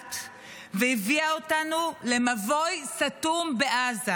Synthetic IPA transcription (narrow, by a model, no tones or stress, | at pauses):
t | veiviaotanule̞mavo̞jsatumbe̞ʔaza